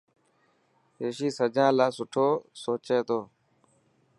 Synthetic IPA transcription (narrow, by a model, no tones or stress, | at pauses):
ɦeːʃiːsəd͡ʒãːlaːsʊʈʰoːsoːt͡ʃeːt̪oː